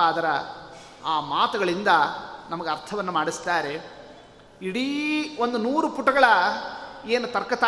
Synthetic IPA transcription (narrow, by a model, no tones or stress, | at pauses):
aːd̪ɐɾɐ | aːmaːt̪ɐɡɐɭind̪ɐnɐmɐɡeɐɾt̪ʰɐʋɐnːumaːɽist̪aːɾe̞ | iɽio̞nd̪unuːɾupuʈːɐɡɐɭɐ | eːnut̪ɐɾkːɐt̪a